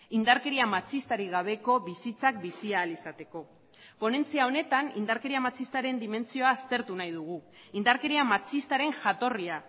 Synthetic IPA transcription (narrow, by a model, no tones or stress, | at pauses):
ind̪aɾke̞ɾiamat͡sist̪aɾiɣaβ̞e̞ko̞βisit͡sak̚bisiaːlisat̪e̞ko̞ | po̞ne̞nt͡siao̞ne̞t̪anind̪aɾke̞ɾiamat͡sist̪aɾe̞nd̪ime̞nt͡sio̞aːst̪e̞ɾt̪unajðuɣ̞u | ind̪aɾke̞ɾiamat͡sist̪aɾe̞ŋʝat̪o̞ria